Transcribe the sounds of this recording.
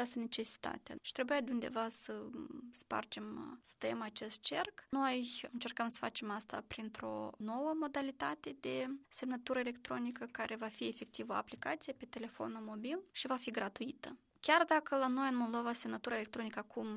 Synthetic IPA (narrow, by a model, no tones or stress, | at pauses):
at͡ʃast̪əne̞t͡ʃe̞si̥t̪a̰t̪ea̰ʃi̥t̪ɾe̞bujad̪eund̪evasəspa̰rt͡ʃe̞msə̥t̪əjemat͡ʃe̞st̪̚t͡ʃe̞rkno̞jɨnt͡ʃe̞rkəmsə̥fa̰t͡ʃe̞mast̪apɾint̪ɾo̞̰no̞wəmo̞d̪alit̪at̪e̞d̪e̞se̞mnət̪uɾəele̞kt̪ɾo̞nikəkaɾʔe̞vafiefe̞k̚t̪ivəoa̰plikat̪sijepe̞t̪e̞le̞fo̞̰nulmo̞bilʃivafiɡɾat̪uit̪ə | kʲard̪akəlano̞jɨnmo̞lˠd̪o̞vase̞mnət̪uɾaelek̚t̪ɾo̞nikəakum